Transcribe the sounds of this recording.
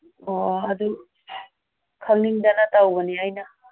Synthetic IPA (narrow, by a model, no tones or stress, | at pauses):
oɐd̪u | kʰaŋniŋdanɐtawbɐniajna